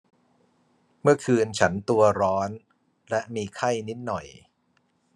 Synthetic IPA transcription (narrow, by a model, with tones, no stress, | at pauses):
mɯ˥˩ɐkʰɯː˧nt͡ɕʰa˦˥nt̪u˧ɐɾɔː˦˥n | lɛ˦˥ʔmiː˧kʰa˥˩jni˦˥t̪̚nɔ˨˩j